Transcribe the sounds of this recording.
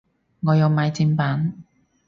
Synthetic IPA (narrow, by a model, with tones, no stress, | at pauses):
ŋɔː˨˧jɐ˨˧wmaː˨˧jt͡siː˧npaː˨˥n